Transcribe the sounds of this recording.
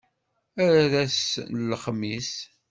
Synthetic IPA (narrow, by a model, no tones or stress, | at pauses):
æɾæðæslχmis